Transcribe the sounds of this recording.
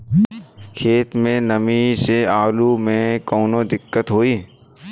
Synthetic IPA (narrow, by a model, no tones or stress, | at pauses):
kʰeːt̪mẽnəmiseaːlumẽkɔːnod̪ɪkːət̪ɦoːiː